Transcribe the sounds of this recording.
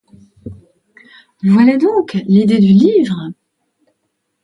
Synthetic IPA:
vwalad̪ɔ̃klid̪ed̪ylivʁə

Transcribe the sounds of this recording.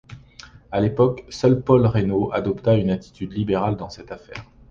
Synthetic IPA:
alepɔksœlpɔlʁenoʔad̪ɔpt̪aynat̪i̥t̪yd̪libeʁald̪ɑ̃sɛt̪afɛ̰ːʁ

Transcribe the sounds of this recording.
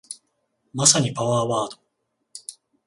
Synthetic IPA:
masaɲ̟ipaβaːβaːd̪o̥

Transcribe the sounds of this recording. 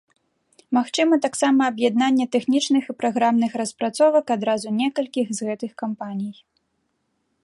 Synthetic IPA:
maxt͡ʂɨmɐt̪aksamɐːbjɛd̪̚nanʲːɛt̪ɛxnʲit͡ʂnɨxipɾaɣɾamnɨxɾɐspɾat̪sɔvɐkad̪ɾazunʲɛkɐlʲkʲixzɣɛt̪ɨxkampanʲij

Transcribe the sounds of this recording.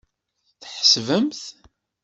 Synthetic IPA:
θħə̥svəmθ

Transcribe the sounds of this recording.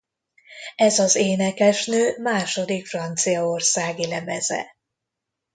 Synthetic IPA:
ɛzɒzeːnɛkɛʃnøːmaːʃo̞d̪ikfrɒnt̪sijɒorsaːɡilɛmɛzɛ̰

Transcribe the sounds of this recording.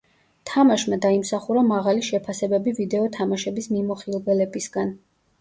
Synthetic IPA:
t̪ʰamaʃmad̪aimsaχuɾamaʁaliʃɛpʰasɛbɛbivid̪ɛɔt̪ʰamaʃɛbismimɔχilˠvɛlɛbisɡan

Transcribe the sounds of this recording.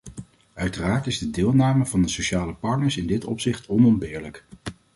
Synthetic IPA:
œɥtəraːɹtɪzdədɪːlˠnaːməvɑndəsoʃaːləpɑɹtnəɹsɪndɪtɔ̰psɪχtʰɔnɔmbɪːɹlək

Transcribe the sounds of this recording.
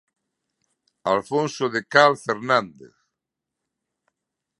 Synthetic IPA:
alfõnsoðekalfeɾnãnd̪ḛθ

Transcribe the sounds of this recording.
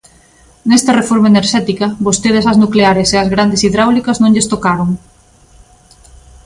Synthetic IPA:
nest̪ɐrefoɾmaeneɾʃɛt̪ikɐβost̪eð̞esɐznukleaɾeseɐzɣɾand̪esiðɾawlikɐznõŋʎest̪okaɾoŋ

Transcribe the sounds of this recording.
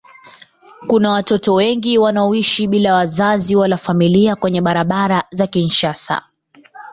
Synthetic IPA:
kunawatɔtɔwɛŋɡiwanaɔiʃiɓilawazaziwalafamiliakwɛɲɛɓaɾaɓaɾazakinʃasa̰

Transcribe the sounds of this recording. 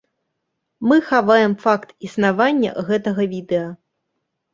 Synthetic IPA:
mɨxavajɛmfakt̪isnavanʲːɐ̰ɣɛt̪ɐɣɐvʲid̪ɛjɐ

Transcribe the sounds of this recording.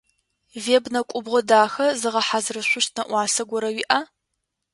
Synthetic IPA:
veːbnɐkʷʼʊbʁʷɔdaːxɐzɨʁɐħazrɨɕʷʊɕtʰnɐʔʷɑːsɐɡʷɔɾɐwiːʔaː

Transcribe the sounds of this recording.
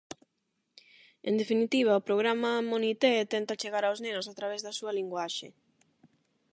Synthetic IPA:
end̪efinit̪iβ̞aopɾoɣɾamamonit̪et̪ɛnt̪at͡ʃeɣaɾawznenʊsat̪ɾaβ̞ezðɐsuɐliŋɡwaʃḛ

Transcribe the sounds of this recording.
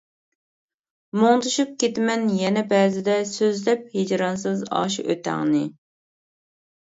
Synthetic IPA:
moŋt̪ʰuʃup̚kʲet̪mɛnjɛnɛbɛːzɪd̪ɛsøzlɛp̚hed͡ʒɾɑnsɨzɑ̰ːʃiʔøt̪ʰæ̰ŋnɪ

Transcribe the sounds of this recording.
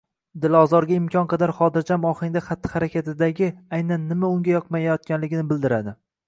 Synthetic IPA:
d̪ɪlɒzɒɾɡʲaɪmkʲʰɒnqʰɑd̪aɾχɒd̪ɪɾd͡ʒamɒχɪŋd̪aχat̪ʰːɪ̥haɾakʲat̪ɪd̪aɡʲɪajnanːɪmaʊŋɡʲajɒqmajajɒt̪̚kʲanlɪɡʲɪnɪbɪld̪ɪɾad̪ɪ

